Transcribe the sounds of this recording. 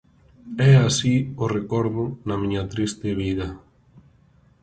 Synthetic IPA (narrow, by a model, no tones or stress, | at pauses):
ɛasiorekɔɾðʊnɐmĩɲɐt̪ɾist̪ɪβ̞iðɐ